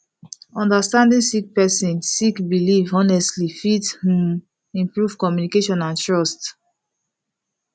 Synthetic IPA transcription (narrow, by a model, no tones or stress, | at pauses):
ɔ̃ndastãndĩnsik̚pɛsĩnsikbilivɔnɛstlifithm | ĩmpɹuv̥kɔmjunikeʃɔ̃nãntɹɔst